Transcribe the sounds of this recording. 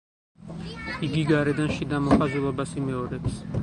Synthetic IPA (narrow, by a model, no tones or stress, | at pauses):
iɡiɡaɾɛd̪anʃid̪amɔχazɛlˠɔbasimɛɔɾɛps